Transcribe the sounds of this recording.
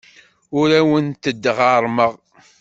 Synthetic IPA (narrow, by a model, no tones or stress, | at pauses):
ʊɾæwənt̪əd̪ːəʁaɾˤməʁ